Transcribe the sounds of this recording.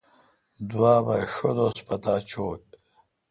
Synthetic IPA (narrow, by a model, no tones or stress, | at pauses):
d̪waːbaʂod̪ospɐt̪aːt͡ɕʰoːt̪̚